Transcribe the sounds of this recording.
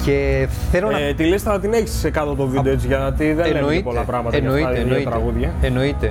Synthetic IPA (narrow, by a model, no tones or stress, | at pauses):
ceθelont̪ilist̪enɐt̪ine̞çi̥si̥sekɐt̪ot̪ovid̪eet͡sʝɐt̪iðenlepo̞lɐpɾɐɣmɐt̪eɐnoiit̪ɾɐɣuðʝɐeno̞it̪e